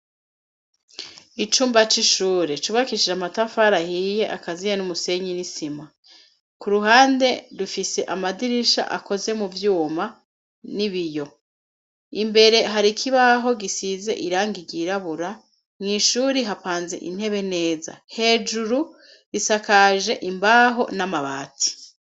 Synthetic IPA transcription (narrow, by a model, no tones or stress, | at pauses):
it͡ʃuːmbat͡ʃiʃuːɾet͡ʃuβakiʃid͡ʒamatafaɾahije̞ʔakazijenumuse̞ɲinisima | kuɾuɦaːnde̞dufise̞ʔamadiɾiʃa̰ʔa̰ko̞ze̞muvjuːma | niβijo̞ | imbe̞ɾe̞ɦaɾikʰiβaɦo̞ɡisize̞̰ʔiɾaːŋɡiɡiɾaβuɾa | mŋiːʃuːɾiɦapaːnze̞̰ʔḭn̥he̞βe̞ne̞ːza̰he̞ːd͡ʒuɾu | ɾisakaʒe̞ʔimbaɦo̞̰namaβa̰ːtʰi̥